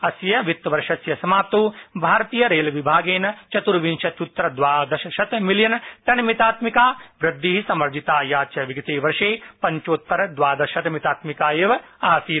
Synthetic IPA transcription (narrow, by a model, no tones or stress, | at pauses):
ɐsjɐʋit̪ːɐʋɐɾʃɐsjɐsɐmaːp̚t̪oːbʱaːɾɐt̪iːjɐɾeːlɐʋibʱaːɡeːnɐt͡ʃɐt̪uɾʋinʃɐt̪ut̪ːɾɐd̪ʋaːd̪ɐʃɐʃɐt̪miljɐnʈɐnmit̪aːt̪mikaːʋɾɐd̪ʱːiːɦisɐmɐɾd͡ʒit̪aːjaːt͡ʃɐʋiɡɐt̪eːʋɐɾʃeːpɐɲt͡ʃoːt̪ːɐɾɐd̪ʋaːd̪ɐʃɐt̪mit̪aːt̪mikaːjeʋɐaːsiː